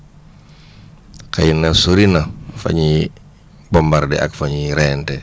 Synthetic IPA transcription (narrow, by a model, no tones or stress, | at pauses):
kajinasoɾinafa̰ɲi | bɔmbaɾdɛʔakfaɲiɾɛntɛ